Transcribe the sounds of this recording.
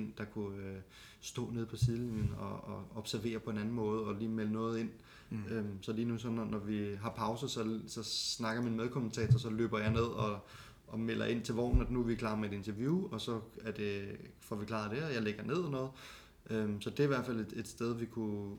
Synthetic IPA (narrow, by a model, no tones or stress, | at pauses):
en̰d̥ɑ̈kʰuø | sd̥ɔ̰̽ːneðˠpʰɒ̽siðˠlinən̩ɒːɒ̽b̥sæɐʋe̝̰ːɐpʰɒ̽e̝næn̩mɔ̽ːð̞̩ˠɒ̽liːmelənɔ̽ːð̞ˠe̝n̰ | ømsɒ̽liːnusɒ̽nɒnɒʋiɦɑ̈pʰɑ̈ʊsəsɒ̽sɒ̽snɑ̈ɡ̥ɐminmeð̞ˠkʰo̽mənt͡sʰɛ̰ːt͡sʰɐsɒ̽lø̰ːb̥ɐjɑ̈ɪne̝ð̞̰ˠɒ̽ | ɒ̽mel̰ʔɐ̰ʔe̝n̰t͡sʰe̝ʋɒ̰ːn̩ænuʋikʰlɑ̈meed̥e̝nt͡sʰɐʋjuːɒ̽sɒ̽æɐd̥e̝fɒʋikʰlɑ̰̈d̥e̝ɒjɑ̈ɪleɡ̥ɐne̝ð̞ˠɒnɔ̽ːð̩ˠ | ʔømsɒ̽d̥e̝æɐiʋæɐd̥fæl̰e̝de̝d̥sd̥eð̞ˠʋikʰu